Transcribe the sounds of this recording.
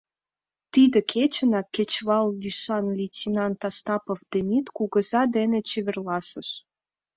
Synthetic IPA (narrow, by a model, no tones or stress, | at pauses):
t̪id̪ekʰet͡ɕə̆nɑkːet͡ɕβɑlviʃɑnlʲit͡sʲinɑnt̪ɑst̪ɑpofd̪emʲit̪kuɣə̆zɑd̪enet͡ɕeβerlɑsə̆ʃ